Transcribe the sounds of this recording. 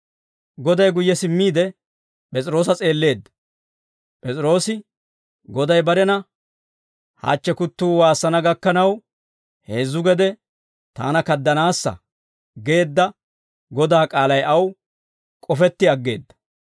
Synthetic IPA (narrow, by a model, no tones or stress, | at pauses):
ɡɔd̪ɐjɡʊjːɛsɪmːiːd̪ɛ | pʼɛt͡sʼɪɾo̞ːs̬ɐt͡sʼe̞ːlːe̞ːd̪ːɐ̥ | pʼɛt͡sʼɾo̞ːsɪ | ɡɔd̪ɐjbɐɾɛnɐ | ha̰ːt͡ʃːɛkʊt̪ːuːwaːsːɐnɐɡɐkːɐnɐw | he̞ːzːʊɡɛd̪ɛ | t̪a̰ːnɐkɐd̪ːɐnaːsːɐ̰ | ɡe̞ːd̪ːɐ | ɡɔd̪aːkʼaːlɐjʔɐw | kʼɔfɛt̪ːɪɐɡːe̞ːd̪ːɐ̥